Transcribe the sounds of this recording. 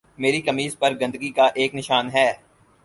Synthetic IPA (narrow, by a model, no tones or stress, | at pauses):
meːɾikɐmiːzpɐɾɡɐ̃nd̪əɡikaʔeːknɪʃaːnɦɛː